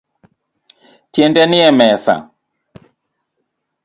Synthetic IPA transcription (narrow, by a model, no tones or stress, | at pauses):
tjendɛnɪɛmɛsa̰